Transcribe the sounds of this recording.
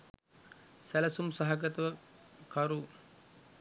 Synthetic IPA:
sælɐsumsaɦaɡət̪ɐʋəkɐɾu

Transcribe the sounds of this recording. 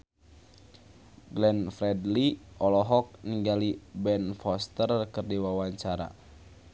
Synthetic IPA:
ɡlɛnfɾɛdliʔɔlɔɦɔk̚niŋɡalibɛnfɔst̪ərkɨrdiwawaɲt͡ʃaɾa̰

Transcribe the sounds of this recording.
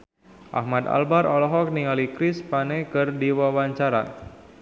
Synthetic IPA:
ʔa̰hmad̪a̰lbaɾɔlɔɦɔk̚niŋalikɾɪspanekɨrdiwawaɲt͡ʃaɾa̰

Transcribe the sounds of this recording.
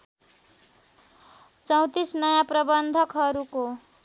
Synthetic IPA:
t͡sʌw̃t̪isnʌjãprʌbʌnd̪ʱʌkɦʌɾuko

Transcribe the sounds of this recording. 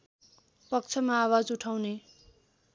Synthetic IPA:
pʌk̚t͡sʰʌmaːwad͡zuʈʰawne

